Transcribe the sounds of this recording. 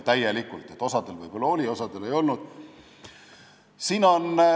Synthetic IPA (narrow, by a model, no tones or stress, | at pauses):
t̪æjelikːult̪ˑe̞t̪ːˑo̞sɑd̪̥elvɤjb̥o̞lːɑolʲio̞sɑd̪̥ele̞jo̞lnud̪̥ | siːnon